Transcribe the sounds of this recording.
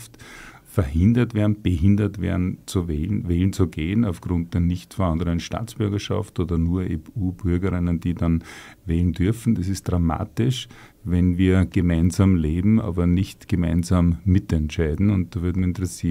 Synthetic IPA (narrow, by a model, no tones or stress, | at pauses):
ftfɛɐɦɪ̃ndɐtv̥eːɐdn̩b̥əɦɪndɐtvḛɐdn̩t͡suvɛːlnvɛːln̩t͡suɡeːənaʊfɡ̥ʁʊ̃nt̚d̥eːɐnɪçtfəãndəʁənʃta̰ːt͡sb̥ʏɐɡɐʃa̰ftoːdɐnuːɐeuːbʏɐɡəʁɪnənd̥iːdanvɛːln̩dʏɐfn̩d̥asɪst̚d̥ʁama̰ːtɪʃvɛnviːɐɡ̥əmaɪnzaːmleːbm̩ʔa̰ːbɐnɪçtɡ̥əmaɪnzamːɪtɛntʃaɪdn̩ʊnt̚d̥aːvɪɐtmiçɪntəʁɛsiː